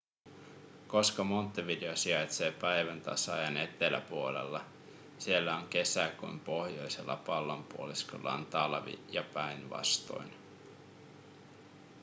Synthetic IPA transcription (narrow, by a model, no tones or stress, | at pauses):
ko̞skɑmo̞nt̪ːɑʋideosiɑjt̪se̞ːpæjʋænt̪ɑ̰sɑjɑne̞t̪ːˑelæ̰puo̞le̞̰lːɑ | sielːæo̞ŋk̟e̞sækṵjmpo̞hjo̞jse̞lːɑ̰pɑlːompuolisko̰lːɑ̰ont̪ɑlʋḭjɑpæjnʋɑ̰st̪o̞̰jn